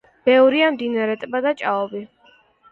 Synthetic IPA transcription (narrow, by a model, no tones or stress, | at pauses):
b̥ɛvɾiamd̪inaɾɛt̪ʼbad̪at͡ʃʼaɔbi